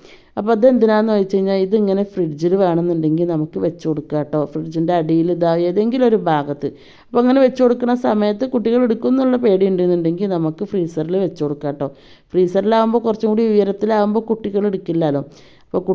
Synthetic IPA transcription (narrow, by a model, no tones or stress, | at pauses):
ɐpːoɐðend̪inaːnːuʋɐjit͡ɕːe̞jiɲːaːliðɨiŋːɐne̞friɖd͡ʑilɨʋeːɳenːuɳɖe̞ŋɡilnɐmukːɨʋe̞t͡ɕːukoɽukːaːʈːo̞ːfriɖd͡ʑinde̞ɐɽijiliðaːʋjeðe̞ŋɡilo̞ɾubʱaːɡɐt̪ːɨ | ɐɐpːoːiŋːɐne̞ʋe̞t͡ɕːukoɽukːɐnːɐsɐmɐjɐt̪ːɨkuʈːiɣɐɭe̞ɽukːunːuɭːɐpe̞ːɽijuɳɖenːuɳɖe̞ŋɡilnɐmukːɨfriːsɐrilʋe̞t͡ɕːukoɽukːaːʈːo̞ː | friːsɐrilaːʋumbo̞ːkurɐt͡ɕːukuːɽiʋijɐɾɐt̪ːilaːʋumbo̞ːkuʈːiɣɐɭeɽukːilːaːloː | ɐpːo̞ːku